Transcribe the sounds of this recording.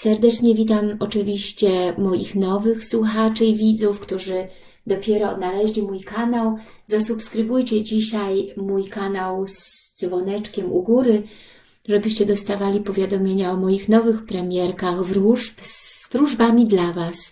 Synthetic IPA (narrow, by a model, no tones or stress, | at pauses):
sɛɾd̪ɛt͡ʂɲɛvʲit̪amɔt͡ʂɘvʲiɕt͡ɕɛmɔjḭxnɔvɘxswuxat͡ʂɘivʲid̪zufkt̪uʐɘ | d̪ɔpʲjɛɾɔːd̪nalɛʑlʲimujkanaw | zasupskɾɘbujt͡ɕɛd͡ʑiɕajmujkanawzd̪zvɔnɛt͡ʂkʲɛmʔṵɡuɾɘ | ʐɛbɘɕt͡ɕɛd̪ɔst̪avalʲipɔvʲjad̪ɔmʲjeɲaɔmɔjixnɔvɘxpɾɛmʲjɛɾkaɣvɾuʂpsvɾuʐbamʲid̪lavas